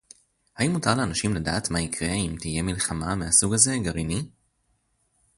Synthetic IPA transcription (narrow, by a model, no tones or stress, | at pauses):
hajimutaʁleanaʃimlada̰ːtmaikʰʁe̞imtije̞milχamameasuɡaze̞ɡaʁini